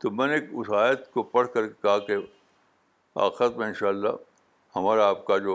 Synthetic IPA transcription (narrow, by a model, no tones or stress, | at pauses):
t̪omɛ̃ːneːkʊsaːjət̪kopɐɽ̤kɐɾkekɐɦake | a̰ːxɾət̪mẽɪ̃nʃaːlːa̰ | hɐmaːɾaaːp̚kad͡ʒoː